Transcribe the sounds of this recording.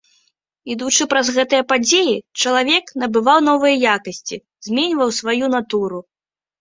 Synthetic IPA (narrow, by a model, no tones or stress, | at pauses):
id̪ut͡ʂɨpɾɐzɣɛt̪ɨjɐpad͡zʲejit͡ʂɐlˠavʲɛknɐbɨvawn̪ɔvɨjɐjakɐsʲt͡sʲi | z̥ʲmʲenʲvɐwsvajunat̪uɾu